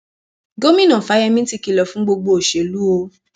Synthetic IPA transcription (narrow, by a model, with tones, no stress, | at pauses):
ɡo˦mĩ˦nã˨fa˨˦jɛ˧mĩ˦ti˧ki˧lɔ˨fũ˨˦ɡ͡bo˧ɡ͡bo˧o˨ʃe˨lu˦o˧